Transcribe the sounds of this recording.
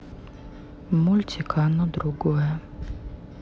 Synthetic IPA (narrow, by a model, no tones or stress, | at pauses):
mulʲt͡sʲikʰɑnɔd̪ɾuɡɔjɛ